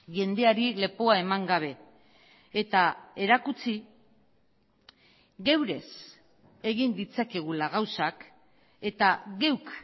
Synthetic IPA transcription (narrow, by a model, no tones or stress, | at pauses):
ʝe̞nd̪e̞aɾile̞poae̞maŋɡaβ̞e̞ | et̪ae̞ɾakut͡si | ɣe̞wɾe̞s | e̞ɣind̪it͡sake̞ɣ̞ulaɣ̞awsak | e̞t̪aɣe̞wk